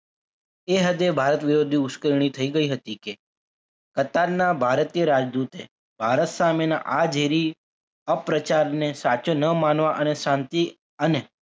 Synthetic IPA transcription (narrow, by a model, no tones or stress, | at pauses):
eɦəd̪ebʱaɾət̪ʋɪɾod̪ʱiʊskəɾɽ̃it̪ʰəiɡəiɦət̪ike | kət̪aɾnabʱaɾət̪ijəɾad͡ʒd̪ut̪e | bʱaɾət̪samena̰ʔad͡ʒeɾi | əpɾət͡ʃaɾnesat͡ʃonəmanʋaʔəneʃãnt̪i | əne